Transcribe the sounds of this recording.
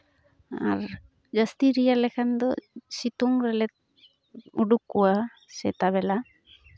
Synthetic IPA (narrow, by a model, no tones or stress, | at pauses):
a̰ɾ | d͡ʒast̪iɾijalɛkʰand̪ɔsit̪uŋɾɛlɛt̪̚ | uɖukːuwa | sɛt̪aβɛla